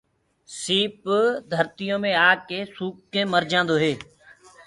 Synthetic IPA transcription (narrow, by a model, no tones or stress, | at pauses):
siːpd̪ʱəɾt̪ɪjõːmẽːaːkeːsuːk̚kẽːməɾd͡ʒãːnd̪oːɦeː